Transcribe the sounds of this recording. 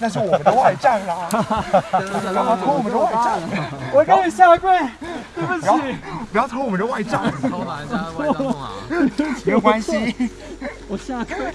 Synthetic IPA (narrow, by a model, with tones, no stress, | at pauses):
na˥˧ʂ̬ɻ̩˥˩wɔ˨˩ə˦nd̪ə˦wa˥˧ɪʈ͡ʂa˥˩ŋla˦˨˩ | jpjɑ˥t̪ʰo˥wɔ˨˩mə˧˩d̪ə˦wa˥˩ɪʈ͡ʂa˥˩ŋwɔ˨˩ka˥y˨˩ɕja˥˧kwe˥˩˨ | pjɑ˥˦˨pjʊt̪ʰo˥wɔ˨˩mə˦nd̪ə˦wa˥˩ɪʈ͡ʂa˥˩ŋ˨˥˩ | me˧˥jo˨˩kwa˦nɕi˦˧